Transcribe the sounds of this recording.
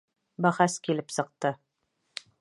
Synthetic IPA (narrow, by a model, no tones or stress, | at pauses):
bæʁæskilɘpsɤ̆q̚t̪ɤ